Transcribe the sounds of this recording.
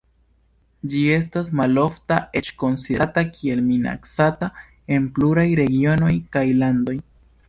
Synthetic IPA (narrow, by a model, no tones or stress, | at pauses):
d͡ʒie̞s̬tasmalo̞ftaʔe̞t͡ʃko̞nsidtakʰie̞lmina̰ksata | e̞npluɾajɾe̞ɡio̞no̞jkajlando̞j